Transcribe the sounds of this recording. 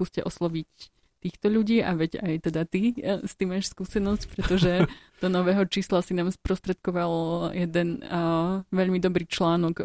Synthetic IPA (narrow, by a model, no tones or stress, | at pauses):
kuːscɛʔɔslɔʋic | t̪iːxt̪ɔʎuɟiːʔa̰ʋɛɟa̰jt̪ɛd̪at̪ist̪iːmaːʃskuːsɛnɔscpɾɛt̪ɔʒɛd̪̥ɔnɔʋɛːɦɔt͡ʃiːslasinaːmspɾɔst̪ɾɛt̪̚kɔʋaljɛd̪ɛn | ʋɛʎmid̪ɔbɾiːt͡ʃlaːnɔk